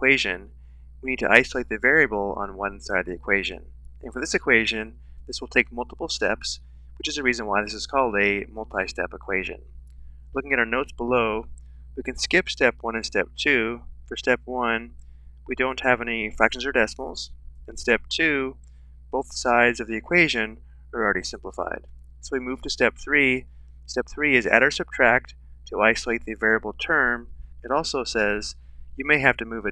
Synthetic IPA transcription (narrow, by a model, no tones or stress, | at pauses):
kw̥eɪʒɨ̰̃n | winid̚tʰɨʔaɪsəl̩eɪt̪̚ðɨvɛɹiɨbl̩ˠə̰̃nwʌ̃nsaɪɾd̚ðiɨkʰw̥eɪʒɨ̰̃n | ʔɨ̃nfə˞ðɪsɨkʰw̥eɪʒɨ̃n | ðɪswəl̩ˠtʰeɪk̚mʌlˠtəpl̩ˠstɛ̰ps | wɨt͡ʃɨzɨɹizɨ̃nwaɪðɪsɨz̥kʰɔlˠdɨmʌlˠtʰaɪstɛ̰pəkʰw̥eɪʒɨ̰̃n | lʊkɪ̃ŋɨɾaʊə˞noʊtsb̥əloʊ | wikɨ̃nskɪpstɛpwʌ̃ñɨ̃nstɛp̚tʰʉfə˞stɛpwʌ̃n | widõʊ̃nt̚hɨvɛnifɹækʃn̩zə˞dɛsml̩ˠz̥ɨ̃nstɛp̚tʰʉ | b̥oʊθsaɪdzʌvðiɨkʰw̥eɪʒɨ̃n | ə˞l̩ˠɹɛɾisɪ̃mpləfa̰ɪd̥ | soʊwimʉv̥tʰɨstɛp̚θɹi | stɛp̚θɹiɨzɨ̰ɾəə˞sʌb̚tʰɹ̥æk̚t | tʰɨaɪsəleɪt̪̚ðɨvɛɹiɨbl̩ˠtʰɜ̃˞mɨɾɔlˠsoʊsɛz | jɨmeɪɦæftɨmʉvɨ